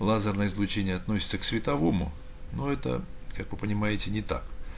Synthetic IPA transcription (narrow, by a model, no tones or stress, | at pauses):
lˠazərnəjəizlˠʊt͡ɕenʲɪjəɐt̪nosʲɪ̥t̪səksvʲɪt̪ɐvomʊ | noɛt̪ə̰kakvɨpənʲɪmajɪtʲɪnʲɪt̪a̰k